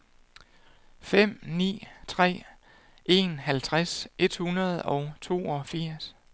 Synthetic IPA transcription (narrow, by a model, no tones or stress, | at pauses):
fem̰nḭːt͡sʰʁɛ̰ː | ʔe̝nɦælt͡sʰʁasʔe̝d̥hunɐð̞̩ˠɒ̽ʊt͡sʰo̝̰ːɒfiɐ̰s